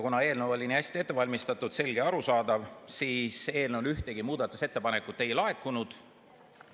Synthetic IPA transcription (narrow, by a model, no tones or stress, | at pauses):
kunɑe̞ːlnewolʲiniæsʲt̪iet̪ːe̞vɑlʲmist̪ɑt̪ːˑud̪̥se̞lɡeɑɾusɑːd̪ɑvsiːse̞ːlnewlyht̪e̞ɡimuːd̪̥ɑt̪ːˑuse̞t̪ːepɑne̞kːˑut̪ːˑe̞jlɑe̞k̪ːˑunud̪̥